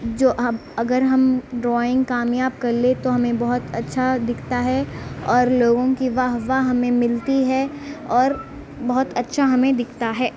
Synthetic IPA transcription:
d͡ʒoːɦɐɐɡəɾɦɐmɖɾɔːɪ̃ŋɡkaːmjaːb̚kɐɾlet̪oɦɐmẽbɐɦʊt̪ɐtːʃʰad̪ɪkʰt̪aɦɛɔːɾloːɡõkiʋaːɦʋaɦɐmẽmɪlt̪iɦɛɔːɾ | bɐɦʊt̪ɐtːʃʰaɦɐmẽd̪ɪkʰt̪aɦɛː

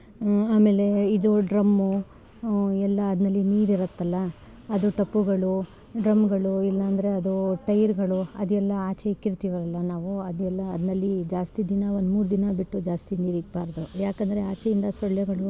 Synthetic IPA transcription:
aːme̞ːle̞id̪oɖɾɐmːu | ɛlːɐːd̪nɐlːiniːɾiɾɐt̪ːɐlːɐː | d̪uʈɐpːuɡɐɭu | ɖɾɐmɡɐɭuilːɐːnd̪ɐɾe̞ɐd̪uʈɐjɐɾɡɐɭuɐ̰d̪uɛlːɐaːt͡ʃɛikːiɾt̪iːʋɐɾɐlːɐnaːʋuɐd̪uɛlːɐːd̪ɐnɐlːid͡ʒaːst̪id̪inɐo̞nd̪muːɾud̪inɐbiʈːud͡ʒaːst̪iniːɾiɡbaːɾd̪ujaːkɐnd̪ɐɾeaːt͡ʃɛjind̪ɐsɔɭːɛɡɐɭu

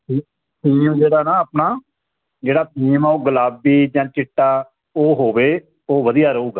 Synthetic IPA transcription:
tʰiː | t̪ʰiːmd͡ʒeːɽaːnaːəpnaː | d͡ʒeːɽaːt̪ʰiːmaoɡəlaːbiːd͡ʒãːt͡ʃɪʈːaː | oːɦoːʋeː | oːʋəd̪ijaːɾəɦuːɡaː

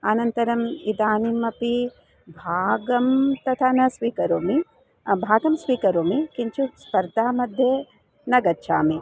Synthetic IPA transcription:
ɐnɐnt̪ɐɾɐmid̪aːnimɐpi | bʱaːɡɐmt̪ɐt̪ʰaːnɐsʋiːkɐɾoːmi | bʱaːɡɐmsʋiːkɐɾoːmikiɲt͡ʃuspɐɾd̪ʱaːmɐd̪ʱjeː | nɐɡɐtːʃʰaːmi

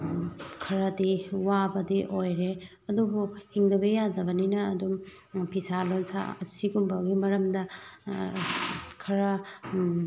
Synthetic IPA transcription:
kʰɐɾɐdiwabɐdiʔojɾe | ɐdubuhiŋdɐbejadɐbɐninɐːdum | pʰisalonsa̰ɐsiɡumbɐɡimɐɾɐmdɐ | kʰɐɾɐ

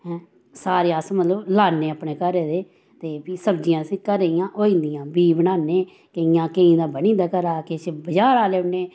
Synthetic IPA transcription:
ɛ̃ | saːɾeːsmət̪ləblaːnːeːaːpneːkəɾeːd̪eː | t̪eːbiːsəbd͡ʒɪjãːəsĩːkəɾeijãːʔɦoːĩːnd̪ɪjãːbiːbənaːneː | kəɪjãːkeĩːd̪aːbənĩːd̪aːkəɾaːket͡ʃbəd͡ʒaːɾaːleːʊɳeː

